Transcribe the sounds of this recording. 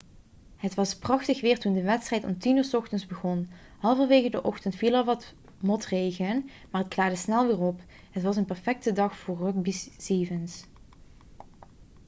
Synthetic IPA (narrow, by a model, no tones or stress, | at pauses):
ɦətʋɑsprɑxtəxʋɪːɹtundəʋɛtstrɛjtɔ̰mtinyːɹsɔxtənzbəɣɔn | hɑlˠvənʋeːɣədəʔɔxtəntfilˠɑlˠʋɑt | mɔtrejɣən | maːrətklaːdəsnɛlˠʋɪːrɔp | ɦətʋɑsənpɛɹfɛk̚tədɑxfʊːrrøk̚bisiːvəns